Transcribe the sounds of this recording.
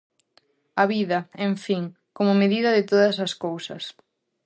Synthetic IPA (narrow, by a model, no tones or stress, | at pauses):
ɐβiðɐeɱfiŋ | komʊmeðiðɐðɪt̪oðɐsɐskowsɐ̰s